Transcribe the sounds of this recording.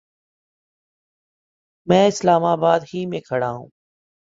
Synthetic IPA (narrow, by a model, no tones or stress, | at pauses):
mɛ̃ːɪslaːmaːbaːd̪ɦiːmẽkʰəɽaːɦṵ̃ː